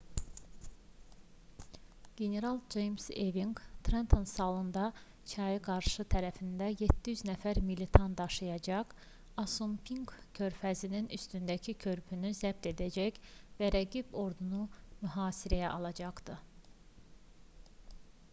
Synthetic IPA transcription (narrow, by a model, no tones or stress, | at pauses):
ɡ̥ʲe̞ne̞ɾɑlˠd͡ʒejmseviŋɡt̪ʰɾent̪ʰonsɑːlˠɯnd̪ɑ | t͡ʃʰɑjɯɡɑɾʃɯt̪ʰæɾæfind̪æjet̪ʰːijyznæfæɾmilit̪ʰɑnd̪ɑʃɯjɑd͡ʒɑq | ɑsumpʰiŋɡkʰø̞ɾfæzininy̰st̪ynd̪æcʰicʰø̞ɾpʰynyzæb̚t̪e̞d̪æd͡ʒæçvæɾæɡibo̞ɾd̪unumyɦɑːsiɾæjæʔɑlˠɑd͡ʒɑχd̪̥ɯ